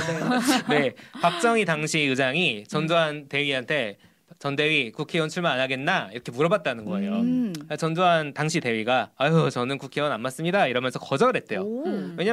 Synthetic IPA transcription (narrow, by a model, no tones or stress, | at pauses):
ne̞pak̚t͡ɕ͈ʌŋitaŋɕʰiɯd͡ʑaŋit͡ɕʌndoɦante̞ɥiɦantʰe̞ | t͡ɕʌnde̞ɥikukʰewʌnt͡ɕʰuɭmananaɡe̞nːaiɾʌkʰe̞muɾʌbat̚t͈anɯnɡʌe̞̰joat͡ɕʌndoɦantaŋɕʰite̞ɥiɡaːjot͡ɕʌnɯnkukʰe̞wʌnanmas͈ɯmɲidaiɾʌmjʌnsʰʌkʌd͡ʑʌɯɾɦe̞t̚t͈e̞jowe̞ɲa